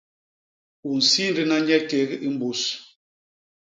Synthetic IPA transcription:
u˨n̩˨si˦n̩˦dɨ˦na˦ɲɛ˦te˨˦ɣʔi˦m̩˦bu˨s

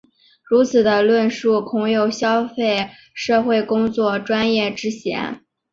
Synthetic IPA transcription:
ɻu˧˥t͡sʰɹ̩˨˩d̪ə˦lwə˥˧nʂu˥˩kʰʊ˧˥ŋjo˨˩ʊɕjɑ˥ʊfe˥˩ɪ | ʂɤ˥˧xwe˥˩ɪkʊ˥ŋt͡swɔ˥˩ʈ͡ʂwa˥njɛ˥˩ʈ͡ʂɻ̩˥ɕjɛ̰˧˥n

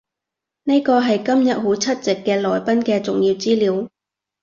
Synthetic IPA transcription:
ne˥jkɔː˧ɦɐ˨jkɐ˥mjɐ˨t̚ɦo˨˥wt͡sʰɐ˥t̚t͡sɪ˨kːɛː˧lɔː˨˩jpɐ˥nkɛː˧t͡sʊ˨ŋjiː˧wt͡siː˥liː˨˥w

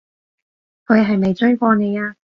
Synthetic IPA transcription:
kʰɵ˨˧ɥɦɐ˨jme˨jt͡ʃɵ˥ɥkʷɔː˧ne˨˧jaː˧

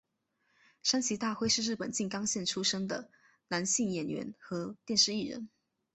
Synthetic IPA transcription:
ʂa˥nt͡ɕʰi˧˥t̪a˥˧xwe˥˧ɪʂɻ̩˥˧ɻ̩˥˩pə˨˩nt͡ɕi˥˩ŋkɑ˥ŋɕjɛ˥˩nʈ͡ʂʰu˥ʂɤ˥ŋd̪ə˨ | na˧˥nɕi˥˩ŋjɛ˨˩nɥɛ̰˧˥nxɤ˧˥t̪jɛ˥˧nʂɻ̩˥˧i˥˩ɻə̰˧˥˦n

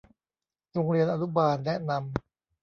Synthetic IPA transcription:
ɾo˧ŋɾi˧ənʔaː˧nu˦˥baː˧nːɛ˦˥ʔna˧m

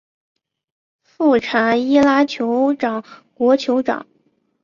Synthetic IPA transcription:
fu˥˩ʈ͡ʂʰa˧˥i˥la˥t͡ɕʰjo˧˥ʊʈ͡ʂɑ˨˩˦ŋkwɔ˧˥t͡ɕʰjo˧˥ʊʈ͡ʂɑ̰˨˩˦ŋ

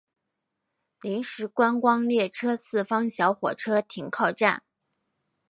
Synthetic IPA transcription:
li˧˥ŋʂɻ̩˧˥kwa˥nkwɑ˥ŋljɛ˥˩ʈ͡ʂʰɤ˥sɹ̩˥˩fɑ˥ŋɕjɑ˧˥ʊxwɔ̰˨˩ʈ͡ʂʰɤ˥t̪ʰi˧˥˩ŋkʰɑ˥˧ʊʈ͡ʂa̰˥˩n

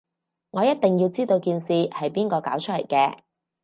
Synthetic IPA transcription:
ŋɔː˨˧jɐ˥t̪̚t̪ɪ˨˩ŋjiː˧wt͡siː˥t̪o˧wkiː˧nsiː˨˧hɐ˨jpiː˥nkɔː˧kaː˨˥wt͡ʃʰɵ˥le˨˩jkɛː˧

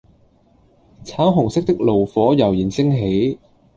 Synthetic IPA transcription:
t͡sʰaː˨˥wɦʊ˨˩ŋsɪ˥k̚t̪ɪ˥k̚lo˨˩wfɔː˨˥jɐ˨˩wjiː˨˩nsɪ˥ŋɦe˨˥j

